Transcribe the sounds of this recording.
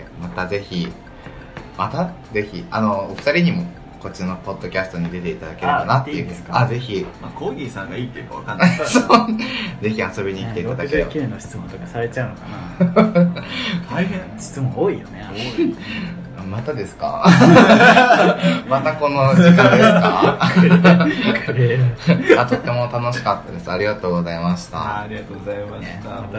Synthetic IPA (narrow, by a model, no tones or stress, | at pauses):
mat̪aze̞çi | mat̪aze̞çḭano̞ːɸɯ̥t̪aɾʲiɲ̟imo̞ | ko̞t͡ɕino̞po̞d̪ːo̞kʲasɨ̥t̪o̞ɲ̟id̪e̞t̪e̞it̪ad̪ake̞ɾanat̪ːeɯ̟aze̞çimako̞ːɡʲiːsãŋɡaiːt̪ːejɯ̟kaβa̰kãnːaso | ze̞çiaso̞bʲiɲ̟iːkit̪eit̪ad̪akeɾekʲiɾenːoɕi̥t͡sɨmõt̪kasaɾe̞t͡ɕaɯ̟nokana | t̪ʰaiɦẽɕi̥t͡sɨmõoːijone | mat̪ad̪e̞sɨ̥ka̰ | mat̪ako̞nokaeka | at̪o̞t̪ːe̞mo̞t̪ano̞ɕi̥kat̪ːad̪e̞sɨaɾʲiɡat̪o̞ːɡo̞zaimaɕi̥t̪a̰ɾʲiɡat̪oɡzaimat̪a